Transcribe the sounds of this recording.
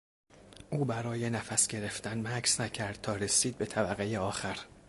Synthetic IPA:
ʔuːbæɾɒːje̞næfæsɟe̞ɾe̞ft̪ænmækʰsnæcʰæɾd̪̥̚t̪ʰɒːɾe̞siːd̪̚be̞t̪ʰæbæɣejeɒːxæɾ

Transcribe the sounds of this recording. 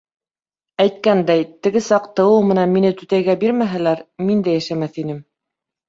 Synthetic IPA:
æjt̪̚kænd̪æjt̪ɘ̆ɡɘsɑqt̪ɤ̆wɤwmɘ̆nænminɘt̪ɵ̆t̪æjɡæbiɾmæɦælæɾmind̪æjæʃæmæθinɘm

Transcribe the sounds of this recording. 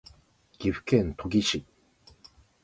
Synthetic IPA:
ɡ̥ʲiɸɯ̥kẽnt̪ʰoɡʲiɕi

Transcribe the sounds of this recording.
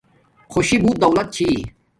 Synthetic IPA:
xoɕibuːt̪̚d̪ɐwlɐt̪̚t͡ɕʰi

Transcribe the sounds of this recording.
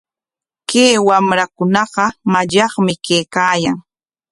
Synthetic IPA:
keːwamɾakʊnɑɢɑmaʎɑχmɪkeːkaːjaŋ

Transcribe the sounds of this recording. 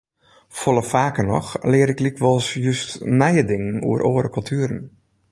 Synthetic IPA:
fɔlˠəfaːkənɔ̰xlɪəɾɪklikʋɔlˠsjystnɛjədɪŋənṵəɾʔoːəɾəkɵlˠtʰyəɾən̩

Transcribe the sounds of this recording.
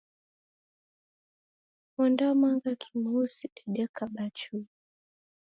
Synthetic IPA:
mɔndamaŋɡakʰi̥muusiɗɛɗɛkaɓat͡ʃui

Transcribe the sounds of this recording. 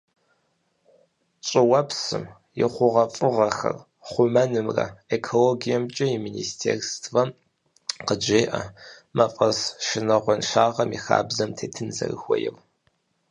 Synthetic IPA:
t͡ʃʷʼɪwɐpsɨ̰m | jɪχʷʊʁɐfʼɨʁɐxɐ̰r | χʷʊmɐnɨmrɐ̰ekʰoloɡijɛmt͡ʃʼɐjɪminiːstʰḛːrstʰvɐm | qəd͡ʒeːʔɐmɐfʼɐsʃɨnɐʁʷɔnʃaːʁɐmixa̰ːbzɐmtʰeːtʰɨnzɐ̰rɨxʷɔjɛ̰m

